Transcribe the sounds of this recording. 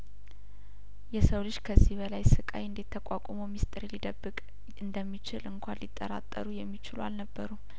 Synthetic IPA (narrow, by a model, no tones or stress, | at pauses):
jɛsəwlɨʃkʰəzːihbəlajsɨkʼajɨnd̪et̪ʰːəkʷʼakʷʼoməwmist̪ʼɨɾilid̪əbːɨkʼ | ɨnd̪əmːit͡ʃɪlɨŋkʷʰanlit̪ʼːə̰ɾa̰t̪ʼːə̰ɾujɛmːit͡ʃɪlwa̰lnəbːəɾu